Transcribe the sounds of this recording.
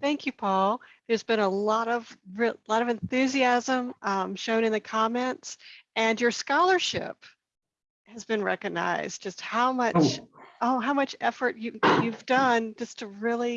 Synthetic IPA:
θæ̃ŋkʰjʉpʰɔlˠðə˞zbɨ̃ñəlɔɾʌvɹɪlɔɾʌvɨ̃nθʉziæzə̃mʔʌ̃mʃõʊ̃ñɨ̃nðɨkʰɑmɛ̃ntsɨ̃njə˞skɑlˠə˞ʃɪ̰p̚ | hɨzbɨ̃nɹɛ̰kɨɡ̚na̰ɪzdd͡ʒʌst̚haʊmʌ | oʊɦaʊmʌt͡ʃɛfə˞t͡ʃɨjʉvdʌ̃nd͡ʒʌstʰɨɹɪlˠi

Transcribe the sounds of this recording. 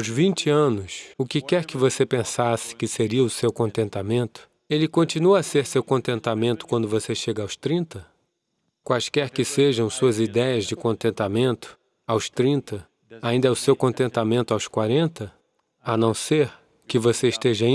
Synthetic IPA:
wzvĩt͡ʃɪɐ̃nʊsʊkɪkɛɾkɪvosepẽsasɪ̥kɪseɾiɐʊsewkõnt̪ẽnt̪amẽnt̪ʊ̥ | elɪkõnt͡ʃinuɐːseɾsewkõnt̪ẽnt̪amẽnt̪ʊ̥kwɐ̃nd̪ʊvoseʃeɡɐawst̪ɾĩnt̪ɐ | kwajskɛɾkɪseʒɐ̃w̃suɐzid̪ɛjɐzd͡ʒɪkõnt̪ẽnt̪amẽnt̪ʊ̥ | awst̪ɾĩnt̪ɐ | aĩnd̪ɛʊsewkõnt̪ẽnt̪amẽnt̪ʊawskwaɾẽnt̪ɐ | anɐ̃w̃seɾ | kɪvoseɪʃt̪eʒɐ̃

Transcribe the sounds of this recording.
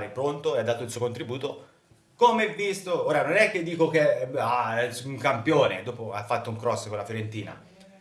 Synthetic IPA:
ɾepɾont̪oead̪ːaːt̪oilsuokont̪ɾibuːt̪o | komeɛvːist̪ooːɾanonɛkːed̪ːiːkokeauŋkampjoːnḛd̪oːpoa̰fːat̪ːouŋkɾɔsːəkonlːafjoɾent̪iːna̰

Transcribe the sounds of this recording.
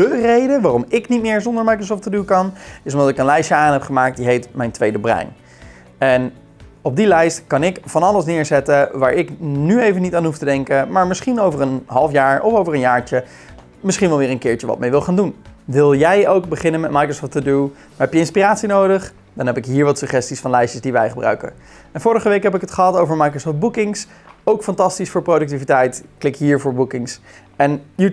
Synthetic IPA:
dərejdəʋaːrɔmɪknitmɪːɹzɔndəɹmajkrəs̬ɔːftədukɑnɪs̬ɔmdɑtɪkənlɛjʃəaːnɦɛpχəmaːk̚t̚diɦejtmɛjntʋejdəbrɛ̰jn | ɛn | ɔb̚dilɛjstkɑnɪkfɑnɑlˠəsnɪːɹzɛtəʋaːɹʔɪknyejvənitaːnɦuftədɛŋkəmaːɹmɪsχinowvəɹənɦɑlˠfjaːɹɔfowvəɹənjaːɹt͡ʃə | mɪsχinʋɛlˠʋɪːɹə̃nkɪːɹt͡ʃəʋɑ̰t̚mejʋɪlˠχaːndunʋɪlˠjɛjowk̚bəχɪnənmɛt̚majkrosɔːftədu | maɦɛpjəɪnspiraːtsinowdəχ | dɑnɦɛpɪkɦiːɹʋɑtsɵχɛstisfɑnlɛjsəzdiʋɛjχəbrœ̰ɥkə̰ | ɛnvʊːɹəχəʋejkɦɛpɪkɦətχəɦɑtowvəɹmajkrosɔfd̚bukɪŋs | owkfɑntɑstisfʊːɹprodɵk̚tivitɛjtklɪkɦiːɹvʊːɹbukɪŋs | ɛnj

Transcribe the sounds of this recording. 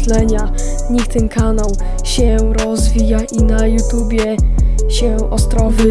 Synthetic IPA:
lɛɲa | ɲikt̪ɛnkanaw | ɕɛɾɔzvʲijaʔinajut̪ubʲjɛɕɛ | ʔɔst̪ɾɔvɘ

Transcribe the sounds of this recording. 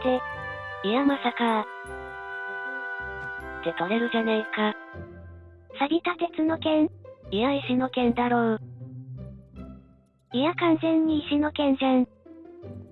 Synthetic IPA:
t̪e̞ | ijamasaka | t̪e̞k̪aɾe̞ɾɯ̟d͡ʑanaika | saɡʲit̪at̪e̞t͡sɨno̞kẽ̞nijaiɕino̞kẽ̞nd̪aɾo | ijakãnsẽ̞ɲːiːɕino̞kẽ̞ñsẽn

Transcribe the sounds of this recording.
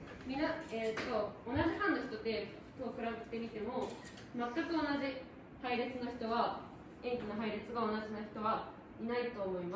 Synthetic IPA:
mʲĩnaet̪ːo̞onaʑiɦãnːoçi̥t̪o̞t̪e̞ | t̪oakɯ̟ɾabet̪ːe̞mʲit̪e̞mo̞ | mat̪ːakɯ̟o̞naʑi | haiɾet͡sɨnoçi̥t̪o̞βa | ẽ̞ŋkʲinoɦaiɾet͡sɨɡao̞naʑihanoçi̥t̪o̞βa | inait̪o̞ːmo̞ima

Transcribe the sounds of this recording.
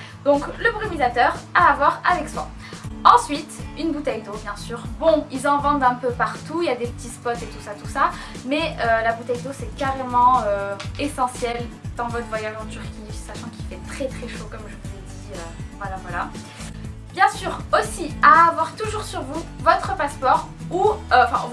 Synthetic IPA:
d̪ɔ̃kləbʁimizat̪œʁaːvwaʁavɛkswa̰ | ɑ̃sɥit̪ynbut̪ɛjd̪objɛ̃syːʁbɔ̃ilzɑ̃vɑ̃d̪ɛ̃pøpaʁt̪uiljad̪epət̪ispɔt̪et̪usat̪usa | mɛølabut̪ɛjd̪osɛkaʁemɑ̃øesɑ̃sjɛld̪̥ɑ̃vɔt̪χəvwajaʒɑ̃t̪yʁkʲisaʃɑ̃kʲi̥fɛt̪χɛt̪χɛʃokɔmʒəvuzed̪iøvwalavwala | bjɛ̃syːʁosiaːvwaʁt̪uʒuʁsyʁvuvɔt̪χəpaspɔʁuøɑ̃fɛ̰̃

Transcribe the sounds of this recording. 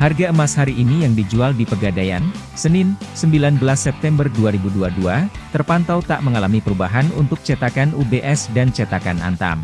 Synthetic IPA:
harɡaəmashaɾiʔːnijaŋdid͡ʒualdipərɡadaja̰n | sənɪnsəmbilanbəlasːɛp̚t̪ɛmbərduaɾibuduadua | t̪ərpant̪awt̪aʔməŋalamipəɾubaɦanṵnt̪ʊk̚t͡ʃɛt̪akanubeʔɛsdant͡ʃɛt̪akana̰nt̪a̰m

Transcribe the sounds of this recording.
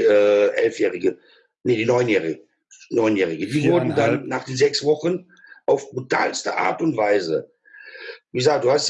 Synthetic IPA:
ʔɛːʔɛ̰lfjɛːʁɪɡə | nədiːnɔʏnjɛːʁɪə | nɔʏnjɛːʁɪɡədiːvʊɐdn̩danːaːχd̥eːnzɛksv̥ɔχən | ʔaʊfb̥ʁutʰa̰ːlstə̰ʔa̰ːɐtʊntv̥aɪzə | viːzaːk̚d̥uːhast

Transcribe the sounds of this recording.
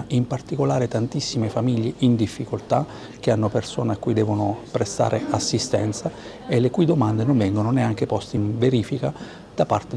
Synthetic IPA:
impart̪ikolaːɾet̪ant̪isːimefamiʎːeʔind̪ifːikolt̪a | k̟eanːopersoːneakːujd̪ɛːvonopɾest̪a̰ːɾʔeasːist̪ɛ̰nt̪sa | elːekuid̪omand̪enonvɛŋɡononeaŋk̟epɔst̪einveɾiːfika | d̪̥apa̰rt̪e

